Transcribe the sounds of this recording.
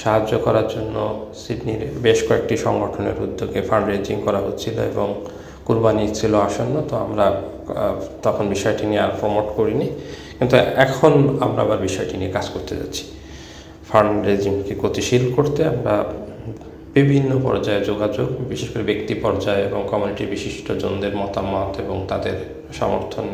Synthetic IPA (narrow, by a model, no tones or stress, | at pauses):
ʃaɦad͡ʑːokɔɾaɾd͡ʑonːosiɖniɾbeʃkoek̚ʈiʃɔŋɡoʈʰonḛɾud̪ːoɡefaɳɖɾed͡ʑiŋkɔɾaɦot̪ːt͡ɕʰilo̰ḛboŋ | kuɾbanit͡ɕʰiloaʃonːot̪oa̰mɾa | t̪ɔkʰonbiʃɔeʈinieaɾfɔɾmoʈkoɾinikint̪uɛkʰonamɾa̰abaɾbiʃɔeʈiniekad͡ʑkoɾt̪ed͡ʑa̰tːɕʰi̥ | fʰaɳɖɾed͡ʑiŋkekot̪iʃilkoɾt̪eamɾa̰ | b̥ibʱinːopɔ̰ɾd͡ʑaed͡ʑoɡad͡ʑoɡbiʃeʃkoɾebekt̪ipɔɾd͡ʑaeeboŋkɔmuniʈibiʃiʃʈod͡ʑond̪eɾmɔt̪amot̪eboŋt̪ad̪eɾ | ʃɔ̰moɾt̪ʰon